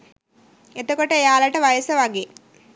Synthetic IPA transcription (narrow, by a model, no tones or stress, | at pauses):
et̪okoʈəejaːlɐʈəʋajəsəʋaɡeː